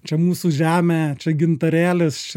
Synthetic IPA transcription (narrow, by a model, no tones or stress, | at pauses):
t͡ʃʲɛmuːsuːʒʲæːmʲæːt͡ʃʲɛɡʲɪnt̪ɐɾʲæːlʲest͡ʃʲɛ